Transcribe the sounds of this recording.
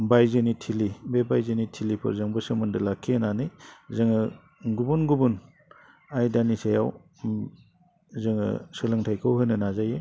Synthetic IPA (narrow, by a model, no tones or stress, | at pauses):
bajzɯnitʰilibebajzɯnitʰilipʰɯ̰ɾzaŋbɯsɯmɯndɯlakʰːenanɯzɯŋɯ | ɡubunɡubun | ajdanisajaw | zɯŋɯ̰sɯlɯŋtʰajkʰɯwɦɯnɯnazaje